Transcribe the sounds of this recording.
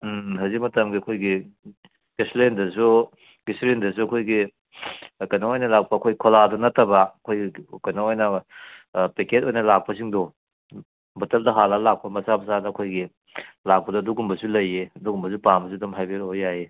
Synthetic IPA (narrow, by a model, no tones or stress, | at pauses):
ɦɐzik̚mɐtɐmɡiɐkʰojɡi | ɡislendɐsu | ɡislendɐs̬uɐkʰojɡi | kɐjnaojnɐlak̚pɐːkʰojɡkʰoladonɐtːɐbɐɐkʰojɡikɐjnaojnɐ | peket̚ojnɐlak̚pɐsiŋdɔ | bɐtɐldɐɦalalak̚pɐmɐsabɐsadɐːkʰojɡi | lak̚pɐdɐːduɡumbɐsulɐjːeɐduɡumbɐs̬upambɐs̬udɐmɦajbeɾobjaje